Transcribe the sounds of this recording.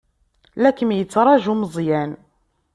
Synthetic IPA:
lækənjət͡sːɾˤɑʒuməzˤjæn

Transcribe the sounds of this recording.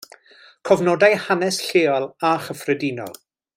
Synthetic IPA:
kʰɔvnɔdajhanɛsɬeːɔlˠaχəfrɛdinɔ̰lˠ

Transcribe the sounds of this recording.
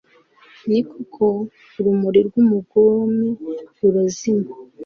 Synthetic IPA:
nikokʰo | ɾumuɾiɾɡumuɡoːmiuɾazima

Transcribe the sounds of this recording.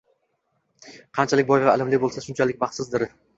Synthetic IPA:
qʰɑnt͡ʃʰalɪk̚ʲbɒjʁaɪlɪmlɪbolˠsaʃʊnt͡ʃʰalɪk̚ʲbɑχt̪sɪzd̪ɪɾ

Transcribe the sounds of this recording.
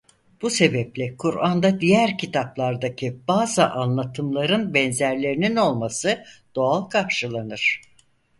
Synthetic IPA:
b̥use̞bɛplʲɛkʰuɾand̪ad̪ijæɾcʰit̪ʰaplˠaɾd̪acʰib̥aːzaʔanlˠat̪ʰɯmlˠaɾɯnbɛnzæɾlʲe̞ɾinino̞lˠmasɯd̪̥o̞alˠkʰaɾʃɯlˠanɯɾ̥

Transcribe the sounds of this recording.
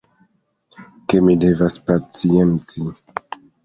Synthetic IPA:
kemide̞vaspat͡sient͡si

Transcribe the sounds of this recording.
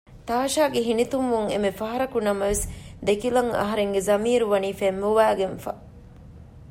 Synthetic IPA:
t̪aːʃaːɡeɦinit̪umʋuŋḛmefɐɦɐɾɐkunɐmɐʋesd̪ekilɐŋɐ̰ɦɐɾeŋɡezɐmiːɾuʋɐniːfemːuʋæːɡenfɐ̰

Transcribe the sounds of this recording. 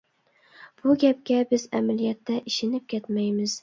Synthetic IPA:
b̥ʊɡʲap̚kʲabɪza̰malijat̪ːaʔɪʃɪnɪp̚kʲet̪majmɪz

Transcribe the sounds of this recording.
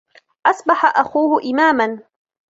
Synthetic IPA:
ʔasˤbaħaʔaxuːhʊʔɪmaːman

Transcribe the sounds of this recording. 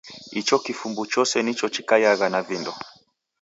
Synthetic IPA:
it͡ʃɔkifumbut͡ʃɔsɛnit͡ʃɔt͡ʃikajaɣanavindɔ

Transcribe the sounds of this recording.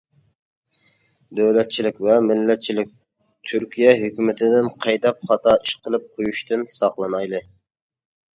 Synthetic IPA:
d̪øwlɛt̪̚t͡ʃʰilɪkʲvɛmɪlːɛt̪̚t͡ʃʰilɪk̚ʲ | t̪ʰyɾkʲʰijɛɦøkʲymɪt̪ʰɪd̪ɪnqʰɑjd̪ɑp̚χɑt̪ʰɑːiʃqʰəlˠɨp̚qʰojuʃt̪ɨnsɑχlˠɨnɑjlˠɨ

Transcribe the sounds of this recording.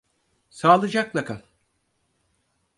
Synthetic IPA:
saːlˠɯd͡ʒak̚lˠakʰanˠ

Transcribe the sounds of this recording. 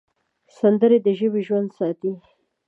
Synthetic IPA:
sand̪əɾed̪əʒəweʒwand̪sɑt̪i

